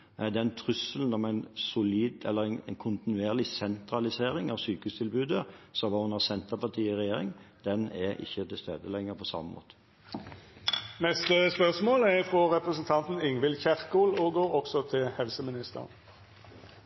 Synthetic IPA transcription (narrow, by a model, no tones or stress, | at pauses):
ɛd̪ɛnt̪ʰɾʉsəln̩ɔmæɪnsʊliːd̪ɛ̰lːəʁæɪnænkʰʊnt̪ɪnʉeːʁlɪsɛnt̪ɾɑlɪseːɾɪŋɑʋsyːkəʉst̪ʰɪlbʉːd̪əsɔʋɑːhʊnhɑsɛnt̪əpɑt̪ʰiːɪʁɛjeːɾɪ̰ŋd̪ɛnɛɾɪ̰çːət̪ʰɪlst̪eːd̪əlɛŋːəɾpʰɔsɑ̰mːəmʔo̰ːt̪ə̥ | nɛst̪əspœʁsmoːlɛʁfɾɔɾɛpɾəsn̩t̪ʰɑnt̪n̩ɪŋʋɪlçæʁkuːloɡoːɾɔksɔt̪ʰɪlhɛlsəmɪnɪst̪ə̰ʁn